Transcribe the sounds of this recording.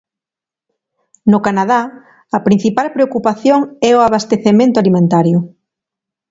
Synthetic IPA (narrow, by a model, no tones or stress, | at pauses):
nʊkanað̞a | ɐpɾin̟θipalpɾeokupaθjoŋɛoaβast̪eθemẽnt̪ʊalimẽnt̪aɾjʊ